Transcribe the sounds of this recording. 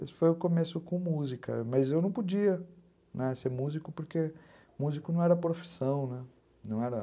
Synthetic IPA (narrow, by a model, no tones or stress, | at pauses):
esfojʊkomesʊkõmuzikɐ̰mɐzewnɐ̃w̃pod͡ʒiɐ | nɛseɾmuzikʊpoɾke | muzikʊnɐ̃w̃ɛɾɐpɾofi̥sɐ̃w̃nɛ | nɐ̃w̃ɛɾɐ